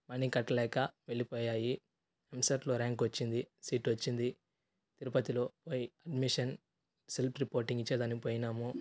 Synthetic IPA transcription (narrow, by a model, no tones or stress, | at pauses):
mɐnikɐʈːɐlɛːkɐʋe̞ɭipoːjaːji | emsɐʈlo̞ːɾaːŋkʋɐt͡ʃːind̪isiːʈʋɐt͡ʃːind̪i | t̪iɾupɐt̪ilo̞ːpojiɐɖmiʂɐn | selpɾipoːɾʈiŋɡit͡ʃːɐd̪ɐnipoːjinaːmu